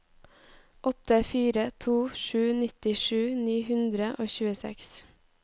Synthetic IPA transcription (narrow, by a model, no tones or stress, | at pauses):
ʔɔt̪əfiːɾət̪ʰuːʃʉːnɪt̪ɪʃʉːniːhʉnd̪ɾəʔoːçʉːəsɛ̰ks